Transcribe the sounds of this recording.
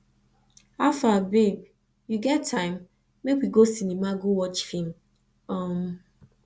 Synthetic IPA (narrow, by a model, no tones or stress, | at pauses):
afabeb̚ | juɡɛtʰːãɪ̃mː | ekwiɡosinimaɡowɔt͡ʃfĩm | ɔm